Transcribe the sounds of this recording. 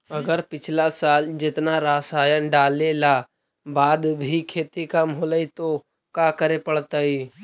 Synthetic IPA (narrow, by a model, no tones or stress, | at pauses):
ɐɡəɾpɪt͡ʃʰlasaːld͡ʒɪt̪naɾaːsaːjənɖaːlela | baːd̪bʱikʰeːt̪ikamɦoːləit̪o | kakəɾepəɽ̤t̪aiː